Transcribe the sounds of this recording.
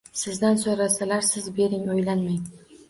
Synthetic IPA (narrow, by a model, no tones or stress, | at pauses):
sɪzd̪ansoɾasalaɾsɪzbe̞ɾɪŋojlanmaj